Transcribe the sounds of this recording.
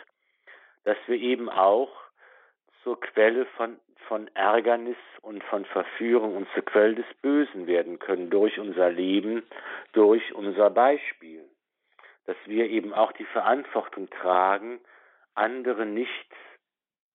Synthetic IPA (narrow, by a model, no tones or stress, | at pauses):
d̥asv̥iːɐʔeːbm̩ʔa̰ʊx | t͡suːɐkʰv̥ɛləfɔn | fɔnʔɛɐɡɐnɪsʊntfɔnfɛɐfyːʁ̞ʊŋʊnt̚t͡suːɐkv̥ɛlədɛsb̥øːzn̩veːɐdn̩kʰœnəndʊɐçʔʊnzɐleːbm̩d̥ʊɐçʔʊnzɐbaɪʃpiːl | d̥asv̥iːɐʔeːbm̩aʊxd̥iːfɛɐʔantv̥ɔʁtʰʊŋtʁ̥aːɡŋ̩ | ʔandəʁ̞ənɪçt